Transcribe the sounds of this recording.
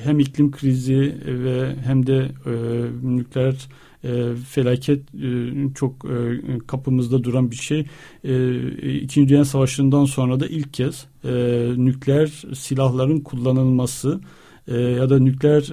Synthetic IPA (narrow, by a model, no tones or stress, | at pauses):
ɦæmiclʲimkʰɾizivɛɦæmd̪ɛ | nyclʲæɾ | fe̞lʲaːcʰɛt̪ːt͡ʃʰo̞kːkʰapʰɯmɯzd̪ad̪uɾanbiɾʃej | ɛḭcʰind͡ʒd̪yjænsavaʃlˠɯnd̪anso̞nɾad̪aʔilʲcʰːɛz̥ | nycʲlʲæɾsilʲahlˠaɾɯnkʰulˠːanɯlˠmasɯ | jad̪anyclʲæɾ